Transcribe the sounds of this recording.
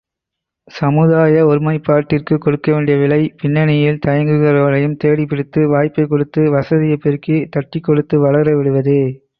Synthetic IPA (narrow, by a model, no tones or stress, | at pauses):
sɐmɯðaːjɐɔɾɯmɐɪpːaːɾʈːɪrkɯkɔɽɯkːɐʋeːɳɖɪjɐʋɪɭɐɪpɪnːɐnɪjɪlt̪ɐjɐŋɡɯɣɐɭoːɭɐjɯmt̪eːɽipːɪɽɪt̪ːɯʋaːjpːɐɪkːɔɽɯt̪ːɯʋɐsɐðɪjɐpːɪɾkit̪ɐʈːɪkːɔɽɯt̪ːɯʋɐɭɐɾɐʋɪɽɯʋɐðɯ